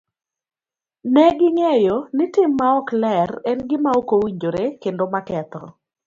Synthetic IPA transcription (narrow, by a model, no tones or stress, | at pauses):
nɛɡɪŋejonɪtɪmːaɔklɛrɛnɡɪmaokowiɲd͡ʒoɾekendomakɛt̪ɔ